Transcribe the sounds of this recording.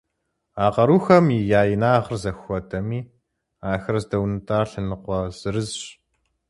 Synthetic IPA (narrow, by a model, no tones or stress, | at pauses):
aːqɐɾuːxɐmjijaːjɪnaːʁərzɐxʷɔtʰʼɐmiː | aːxɐrɐzdɐwnɨtʰʼaːrɬɨnɨqʷɔz̥ɨrɨzɕ